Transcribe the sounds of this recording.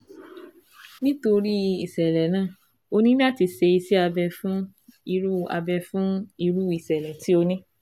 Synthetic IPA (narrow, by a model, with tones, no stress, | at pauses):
nĩ˦to˧ɾi˦i˨sɛ˨lɛ˨˦nãː˦˨ | o˧nĩ˦la˦˨ti˧se˧i˧si˦a˧bɛ˧fũ˦ | i˧ɾu˦a̰˧bɛ˧fũ˦i˧ɾu˦i˨sɛ˨lɛ˨ti˨˦o˧nĩ˦